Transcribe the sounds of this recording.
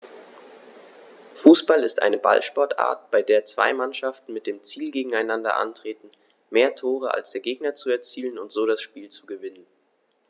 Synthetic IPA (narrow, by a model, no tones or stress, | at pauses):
fuːsb̥alɪstʔa̰ɪnəba̰lʃpɔɐtʔa̰ːɐtb̥aɪdeːɐt͡sv̥a̰ɪmanʃaftn̩mɪt̚d̥eːmt͡siːlɡeːɡŋ̩aɪnandɐ̰ʔa̰ntʁ̥eːtn̩ | meːɐtʰoːʁ̞əʔa̰lsd̥eːɐɡeːɡnɐt͡suɛɐt͡siːlənʊntz̥oːɾasʃpiːlt͡suɡəvɪnən